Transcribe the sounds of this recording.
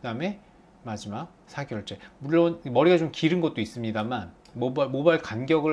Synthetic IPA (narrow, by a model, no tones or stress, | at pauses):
ɯdame̞ | mad͡ʑimak̚sʰaɡjʌɭt͡ɕ͈emuɭːʌnmʌɾiɡat͡ɕomkiɾɯnɡʌt̚t͈ois͈ɯmɲidaman | mobamobaɭkanɡjʌɡɯ